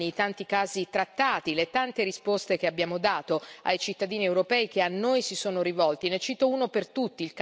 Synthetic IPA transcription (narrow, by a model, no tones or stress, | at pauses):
ijt̪ant̪ikaːzit̪ɾat̪ːaːt̪ilet̪ant̪eɾispost̪ek̟eabːjaːmod̪aːt̪oa̰jt͡ʃit̪ːad̪iːniewɾopɛːik̟eanːojsisoːnoɾivɔlt̪inet͡ʃːiːt̪ouːnopert̪ut̪ːiːlk